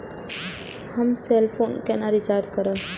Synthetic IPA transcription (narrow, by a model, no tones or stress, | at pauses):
hɐmseːlpʰoːnkenaɾit͡ʃaːɾd͡ʒkəɾəː